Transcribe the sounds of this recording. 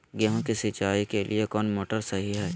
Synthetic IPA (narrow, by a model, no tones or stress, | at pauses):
ɡjəɦõkisɪt͡ʃaːikelʔḭekɔːnmoːʈəɾsɐɦiɦɛː